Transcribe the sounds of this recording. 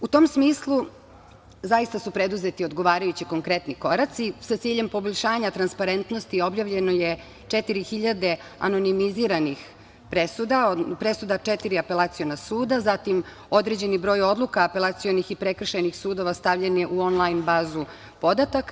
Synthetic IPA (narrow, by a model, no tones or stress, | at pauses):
ut̪o̞ːmsmiːslˠu | zajist̪asupɾed̪uzet̪io̞d̪ɡo̞ʋaːɾajut͡ɕiko̞ŋkɾe̞t̪niko̞ɾat̪sisat̪siːʎe̞mpo̞boʎʲʃaːɲat̪ɾanspaɾe̞nt̪no̞st̪io̞bjaːʋʎe̞noje | t͡ʂet̪iɾixiʎad̪e̞ | a̰no̞nimiziːɾanix | pɾesud̪apɾe̞sud̪at͡ʃɛt̪iɾiape̞laːt̪sijo̞nasuːd̪azat̪im | o̞d̪ɾed͡ʑe̞nibɾo̞ːjo̞d̪lˠukaːpe̞lˠat̪sijo̞nixipɾekr̩ʃenixsuːd̪o̞ʋast̪aʋʎenjeʔuonlˠajnbaːzu | po̞d̪at̪ak